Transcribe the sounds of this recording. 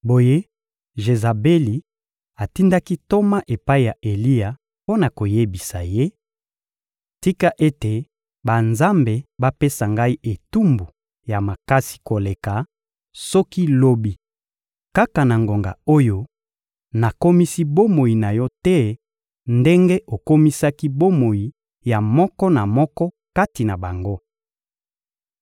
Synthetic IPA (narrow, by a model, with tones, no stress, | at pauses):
bo˨je˦ | ʒe˨za˨be˦li˨ | a˨ti˦nda˦ki˦to˦ma˦ʔe˨pa˦i˨ja˨ʔe˨li˦ja˨ | po˦na˨ko˨je˦bi˨sa̰˨je˦ | ti˦ka˦ʔe˦te˨ | ba˨nza˦mbe˨ba˦pe˦sa˨ŋɡa˦i˦ʔe˨tu˦mbu˨ | ja˨ma˨ka˦si̥˨ko˨le˨ka˨ | sɔ˦ki˦lo˦bi˦ | ka˦ka˨na˨ŋɡo˨ŋɡa̰˨o˦jo˦ | na˨ko˦mi˦si˦bo˦mo˨ji˨na˨jɔ˦tɛ˦ | nde˦ŋɡe˦ʔo˨ko˦mi˦sa˦ki˦bo˦mo˨ji˨ | ja˨mɔ˦kɔ˦na˨mɔ˦kɔ˦ | ka˦ti˨na˨ba˨ŋɡo˦